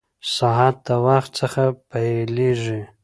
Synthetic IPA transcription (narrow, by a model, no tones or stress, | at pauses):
saɦat̪̚d̪əwaxt̪̚səxapajeleʐi